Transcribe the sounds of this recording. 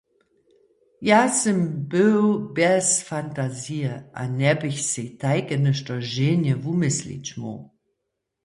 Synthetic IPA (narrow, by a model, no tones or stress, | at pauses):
jaːsəmbɪwbɛsfantaziəʔa̰nɛbɪçsetaɪkənəʃtɐʒeːnjəvumɪslḭt͡ɕmo̰